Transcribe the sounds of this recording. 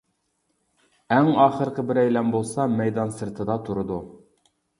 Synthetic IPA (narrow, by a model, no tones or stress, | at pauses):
æŋɑːχəɾqʰəbɪɾɛjlɛnbolˠsɑmɛjd̪ɑnsɨɾt̪ʰɨd̪ɑt̪ʰuɾud̪u